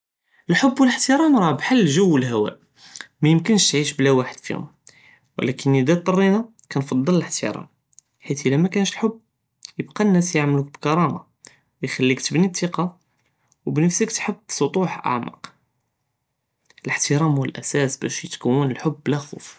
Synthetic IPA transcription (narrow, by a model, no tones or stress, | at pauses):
əlħʊbːwələħt̪əɾˤɑmɾˤɑbħalːʒəwːəlhæwæ̰ʔ | mæjəmkənʃt̪ʕiʃblæwaħəd̪̥fḭhʊ̰m | w̰lækʰənːid̪æt̪ˤːɑrˤːina | kænfɑd̪ˤːɑlləħt̪ə̰ɾˤɑ̰m | ħit̪ʔəlæmækænʃlħʊbː | jəbqɑnːæsjaʕmluk̚bkɑɾˤɑma | wjxælːikt̪əbnit̪ˤːiqɑ | wbnəfsəkt̪ħəbːsˤot̪ˤuħʔa̰ʕmɑ̰q | ələħt̪əɾˤɑmwəlʔæsæsbæ̰ʃjət̪kæwːənəlħʊbːlæxṵf